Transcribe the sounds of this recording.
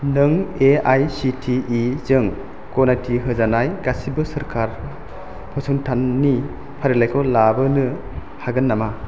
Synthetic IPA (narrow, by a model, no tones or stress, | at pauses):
nɯŋeajsitʰiizɯŋ | konatʰiɦɯzanajɡasibɯsɐɾkʰaɾ | pʰɔsʰɯŋtʰanːi | pʰaɾilajkʰɔwlabɯnɯ | haɡɯnːama